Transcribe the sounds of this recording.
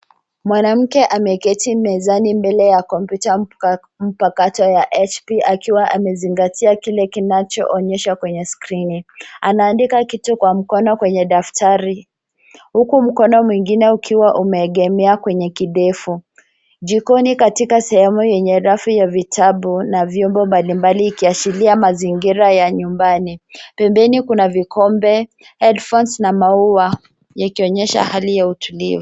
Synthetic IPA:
mwanam̩kɛʔamɛkɛtimɛzanimbɛlɛjakɔmpjuta | m̩pakatɔjaʔɛt͡ʃpiʔakiwaʔamɛziŋɡatʰiakilɛkinat͡ʃɔ̰ʔɔɲɛʃakwɛɲɛskɾinianaːndikakitukwam̩kɔnɔkwɛɲɛɗaftʰaɾi | hukum̩kɔnɔmwiŋɡinɛukʰiwaʔumɛːɠɛmɛakwɛɲɛkiɗɛfu | ʄikɔnikatikasɛhɛmujɛɲɛɾafijavitʰaɓunavjɔmbɔmbalimbaliːkiaʃiliamaziŋɡiɾajaɲumbanipɛmbɛnikunavikɔmbɛ | hɛdfɔnsnamauwa | jakiɔɲɛʃa̰halijautʰulḭvu

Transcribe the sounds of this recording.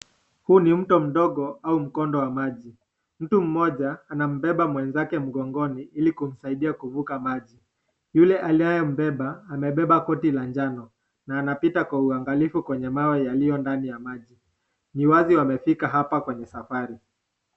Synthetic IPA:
hunim̩tɔm̩ɗɔɠɔaum̩kɔndɔwamaʄi | m̩tum̩mɔʄaːnam̩bɛɓamwɛnzakɛm̩ɠɔŋɡɔniilikum̩saiɗiakuvukamaʄi | julɛʔaliajɔm̩bɛɓaːmɛɓɛɓakɔtiland͡ʒanɔ | naːnapitakwauaŋɡalifukwɛɲɛmawɛjalijɔndanijamaʄi | niwaziwamɛfikaɦapakwɛɲɛsafaɾi

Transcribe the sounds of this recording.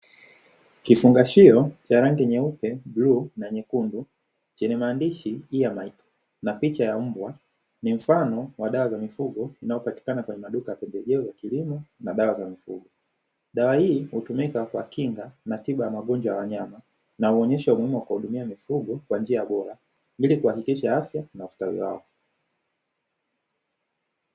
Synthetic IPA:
kifuŋɡaʃiɔt͡ʃaɾaŋɡɛɲɛupɛbluːnaɲɛkundu | t͡ʃɛɲɛmaːndiʃiijamait | napit͡ʃajam̩bwa | nim̩fanɔwaɗawazamifuɡɔinajɔpati̥kanakwɛɲɛmaɗukajapɛndɛʄɛɔjakilimɔnaɗawazamifuɡɔ | ɗawahiːhutumikakwakiŋɡanatiɓajamaɠɔnd͡ʒwajawaɲama | nauɔɲɛʃawamuhimuwakwahuɗumiamifuɡɔkwand͡ʒiaɓɔɾa | mbilikuhakikiʃaafjanaustawḭwa̰ɔ

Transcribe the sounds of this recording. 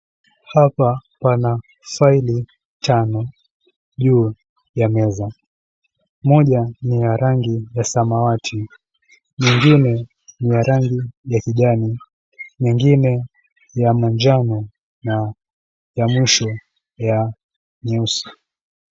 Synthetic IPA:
hapapana | faili | tanɔ | ʄuː | jamɛza | mɔʄanijaɾaŋɡijasamawatʰi | ɲɛŋɡinɛ | nijaɾaŋɡijakiʄani | mɛŋɡinɛ | jamɔnd͡ʒanɔ | na | jamwiʃɔ | ja | ɲɛusɔ̥

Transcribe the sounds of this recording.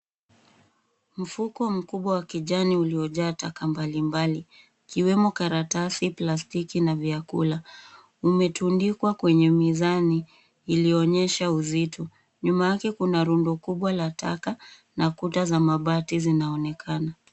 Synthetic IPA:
m̩fukɔm̩kuɓwawakiʄaniuliɔʄaːtakambalimbaliː | kiwɛmɔkaɾatasiplastikinaviakṵla | umɛtundikwakwɛɲɛmizaniː | liɔɲɛʃauzitʰɔ | ɲumajakɛkunaɾundɔkuɓwalatʰa̰ka | nakutazamaɓatizinaɔnɛkʰana

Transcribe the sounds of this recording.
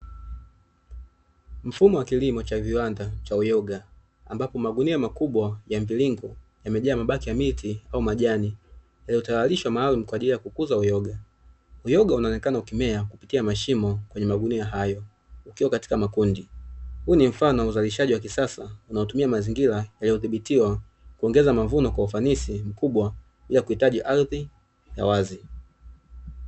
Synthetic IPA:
m̩fumɔwakilimɔt͡ʃaviwandat͡ʃaujɔɡa | ambapɔmaɡuniamakuɓwajamviliŋɡujamɛʄaːmaɓakijamitiaumaʄani | jaliɔtawaliʃwamaːlum̩kwaːʄilijakukuzaujɔɡa | ujɔɡaunaɔnɛkanaukimɛakupitiamaʃimɔkwɛɲɛmaɡuniaɦajɔ | ukiwakati̥kamakundihunim̩fanɔuzaliʃaʄiwak̬isasaunaɔtumiamaziŋɡiɾajalijɔθiɓitiwa | kuɔŋɡɛzamavunɔkwaufanisim̩kuɓwa | ɓiliakuhitaʄiʔaɾði | ja̰wazi

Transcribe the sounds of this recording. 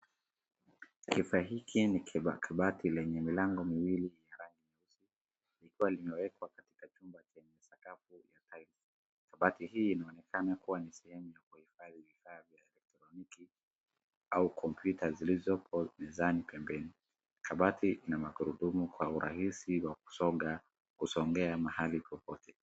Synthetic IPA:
kifaɦikʰiniakʰaɓatʰilɛɲɛmilaŋɡɔmiwilijaɾaŋɡinausi | likiwalimɛwɛkwakati̥kat͡ʃumbat͡ʃɛɲɛsakafujatʰail | kaɓatihiːnaɔnɛkanakuwanisɛhɛmujakuhifaðivifaːðjaɛlɛk̚tɾɔniki | aukʰɔmpjutazilizɔpʰɔnɛzanipɛmbɛni | kʰaɓatiʔinamaɡuɾuɗumukwauɾʔa̰hisiwaku̥sɔɡa | kusɔŋɡɛamahalipɔpɔtʰɛ

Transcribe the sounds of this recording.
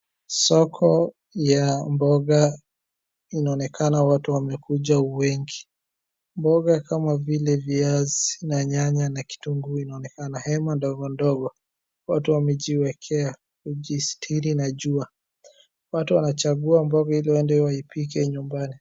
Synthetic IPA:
sɔkʰɔ | jambɔɡa | inaɔnɛkʰanawatuwamɛkuʄauwɛŋɡi | mbɔɡakamavilɛviazinaɲaɲanaki̥tuŋɡuinaɔnɛkanahɛmandɔɡɔndɔɡɔ | watuwamɛʄiwɛkʰɛa | kuʄistʰiɾinaʄua | watuwanat͡ʃaɡuambɔɡahiliwandɛwaipik̬ɛɲumbani

